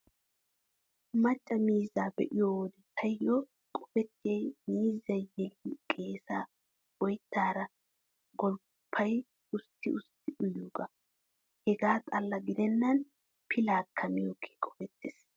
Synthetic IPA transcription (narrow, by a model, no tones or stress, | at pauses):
mɐt͡ʃʼːɐmiːzaːbɛ̰ʔɪjoːwɔd̪ɛt̪ʰɐjɔ | kʼɔ̥bɛt̪ːɪjɛjmiːzːɐjjɛlikʼe̞ːsa | ɔjt̪ːaːɾɐ | ɡɔl | pʰːɐj | ʊst̪ːɪʊst̪ːɪʔʊjuɡɐ | hɛɡaːt̪ʼɐlːɐɡɪd̪ɛnːɐn | pʰɪlaːkʰːɐmɪjokʰːe̥kʼɔbɛt̪ːeːs